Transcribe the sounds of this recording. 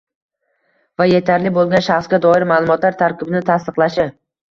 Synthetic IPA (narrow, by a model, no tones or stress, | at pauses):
vajet̪ʰaɾlɪbolˠɡʲanʃaχsɡʲad̪ɒɪɾmaːlˠʊmɒt̪laɾt̪ʰaɾkʲɪbɪnɪt̪ʰast̪ɨqlˠaʃɪ